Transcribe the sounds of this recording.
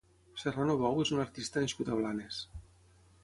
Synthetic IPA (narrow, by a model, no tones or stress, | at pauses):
seranoβɔwezunaɾt̪ist̪əneskut̪aβlanes